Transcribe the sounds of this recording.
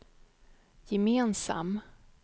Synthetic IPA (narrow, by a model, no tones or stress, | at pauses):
jɛmeːnsa̰m